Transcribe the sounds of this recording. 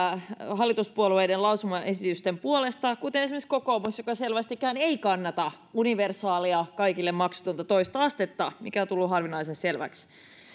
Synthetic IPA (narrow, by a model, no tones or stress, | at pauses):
ɦɑlːˑit̪uspuoluejdenlɑusumɑʔesit̪yst̪empuolest̪ɑkut̪enesimæiskokoːmusjokɑselʋæst̪ikːˑæyneikɑnːɑt̪ɑ | uniʋersɑːliɑkɑikilːemmɑksu̥t̪unt̪ɑt̪oist̪ɑɑst̪et̪ːɑmḭkæot̪ulːuɦɑrʋinɑisesselʋæ̰ks